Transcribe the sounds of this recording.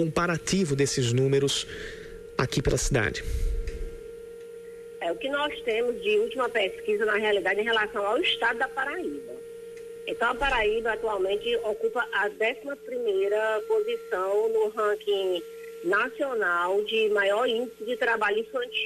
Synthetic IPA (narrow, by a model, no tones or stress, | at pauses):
kõmpaɾativʊd̪esɪznũmeɾʊs | a̰kipelɐsid̪a̰d͡ʒɪ | ɛʊkɪnɔst̪ẽmʊzd͡ʒɪuwt͡ʃimɐpeskizɐnɐɦealid̪ad͡ʒɪẽj̃ɦelasɐ̃w̃awɪʃt̪ad̪ʊd̪ɐpaɾaibɐ | ẽt̪ɐ̃w̃ɐpaɾaibɐat̪uawmẽnt͡ʃɪokupɐʔɐd̪ɛsimɐpɾimejɾɐpozisɐ̃w̃nʊɦɐ̃kĩ | nasionawd͡ʒɪmajɔɾĩnd͡ʒɪsɪd͡ʒɪt̪ɾabaʎʊĩfɐ̃nt͡ʃi